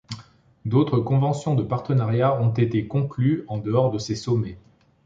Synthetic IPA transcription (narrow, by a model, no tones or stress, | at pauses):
d̪ot̪χəkɔ̃vɑ̃sjɔ̃d̪əpaʁt̪ənaʁjaɔ̃t̪et̪ekɔ̃klyɑ̃d̪əɔʁd̪əsesɔme